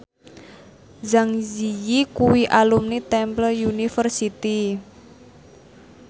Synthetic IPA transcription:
zaŋzijikuwiʔalumnit̪ɛmpləjunifərsit̪i

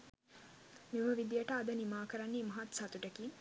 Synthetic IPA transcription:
miməʋid̪ijəʈəad̪ənimaːkəɾanːeːmɐɦat̪sat̪uʈəki

